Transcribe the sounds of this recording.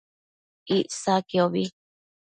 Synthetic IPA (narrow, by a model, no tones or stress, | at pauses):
iʔsakioβi